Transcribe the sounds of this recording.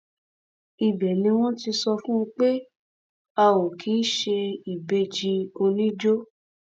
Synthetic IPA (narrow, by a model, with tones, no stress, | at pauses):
i˨bɛ˨nĩ˧w̃ɔ̃˦ti˧sɔ˧fũ˦˧k͡pe˦ | a˧wo˨kʰi˨˦ʃe˧i˨be˧˨d͡ʒi˧o˧nĩ˦d͡ʒo˦